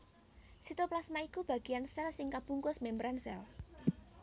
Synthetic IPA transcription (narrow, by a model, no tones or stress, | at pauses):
sit̪oplasmaikub̥ä̤ɡ̥ijansɛlsɪŋkab̥uŋkʊsmembɾansɛ̰l